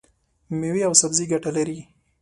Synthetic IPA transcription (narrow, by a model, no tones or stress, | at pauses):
miwiawsabziɡaʈalaɾi